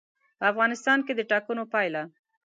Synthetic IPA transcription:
pəafɣɑnɪst̪ɑnked̪əʈɑkənopɑjla

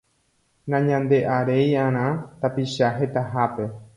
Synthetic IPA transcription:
nãɲãnd̪e̞ʔaɾe̞jãɾ̃ãt̪apiʃaɦe̞t̪aɦape̞

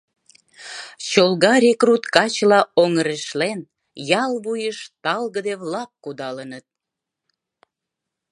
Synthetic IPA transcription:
t͡ɕolɣɑɾʲekrut̪kɑt͡ɕlɑoŋəɾeʃlen | jɑlβujəʃt̪ɑlɣəd̪eβlɑkːud̪ɑlənət̪̚

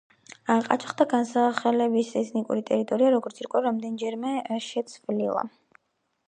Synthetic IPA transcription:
aqʼa̰t͡ʃʰχd̪aɡansaχɛlɛbisɛt̪ʰnikʼṵɾit̪ʼɛɾit̪ʼɔɾiaɾɔɡɔɾt̪sʰiɾkʼɛɾamd̪ɛnd͡ʒɛɾmɛʃɛt̪sʰvlilˠa̰

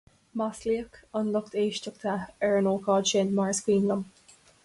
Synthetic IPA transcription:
masliəkənlʊkt̪ʰeːʃtək̚t̪ʰaɛɹənoːkʰɑːdʃɪnmaɹskwiːnləm

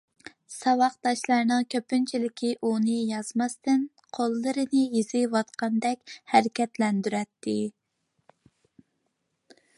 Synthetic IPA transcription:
sɑwɑqt̪ɑʃlˠɑɾnɨŋkʲʰøpynt͡ʃʰilɪkʲʰiʔunɨjɑzmɑst̪ɨn | qʰolˠːɨɾɨnɨjizɪwɑt̪qɑnd̪ɛkʲhæɾɪkʲɛt̪lɛnd̪yɾɛt̪ːɪ

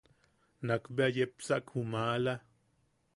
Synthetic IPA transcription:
nakbajepsakhumala

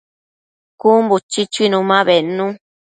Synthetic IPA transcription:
kumbut͡ʃit͡ʃuinũmãβenũ

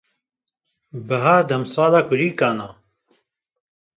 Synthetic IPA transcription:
bəɦaːd̪ɐmsɑːlaːkʊɾiːkaːna

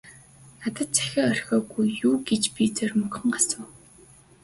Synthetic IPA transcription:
nat̪ə̆t̪̚t͡sæ̥xʲə̆ŋœrʲxʲɔːɣujːuːɡet͡ɕpʲit͡sœrʲmɵkχɞ̆ŋɢasʊ̆ː

